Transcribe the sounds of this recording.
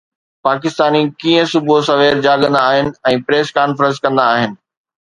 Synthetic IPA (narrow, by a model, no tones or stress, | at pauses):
paːkɪst̪aːnikiːə̃sʊbʱosɐʋeːɾd͡ʑaːɠə̃nd̪aːɦɪnɪ̆ɛ̃ːpɾeːskaːnfɾə̃ns̬kɐ̃nd̪aːɦɪnɪ̆